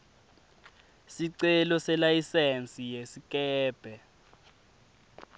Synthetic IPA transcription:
siǀɛlɔsɛlajisɛnt͡sʼijesik̬ʼɛːb̥ʱɛ

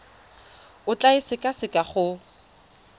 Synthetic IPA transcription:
ʊt͡ɬʼaɪsɪkʼasɪkʼaχʊ

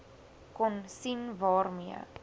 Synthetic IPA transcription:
kɔnsinvɑːrmiə̰

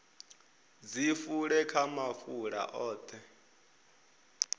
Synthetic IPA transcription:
d͡zifuɺɛkʰamafuɺa̰ʔɔːt̪ʰɛ

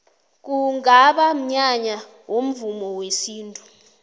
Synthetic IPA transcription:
k̬uŋaɓam̩ɲaɲa | wom̩vumɔwesiːntʼu

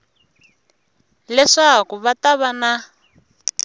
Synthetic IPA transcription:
lɛʂakuβataβana

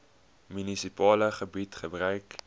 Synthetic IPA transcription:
mynisipɑːləχəbitχəbrœɥk

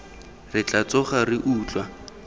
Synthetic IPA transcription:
rɪt͡ɬʼat͡sɔχarɪʔuːt͡ɬwa

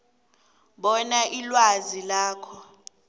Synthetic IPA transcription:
ɓɔnaʔilwazilaːkʰɔ

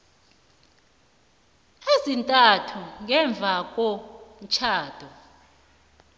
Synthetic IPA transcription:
ezintʼatʰuŋɛɱb̪vʱak̬ʼom̩t͡ʃʰaːd̥ʱɔ

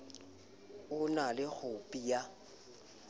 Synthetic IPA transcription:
ʊnalɪk͡xʊpʼia

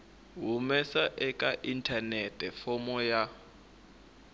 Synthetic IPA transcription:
ɦumɛsaʔɛkʼaʔintʰanɛtʰʼɛfɔmɔja

